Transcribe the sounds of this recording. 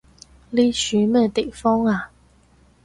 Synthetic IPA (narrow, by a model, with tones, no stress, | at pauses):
li˥ɕy˨˦mə˥˩t̪e˨˩fɔ˥ŋa˨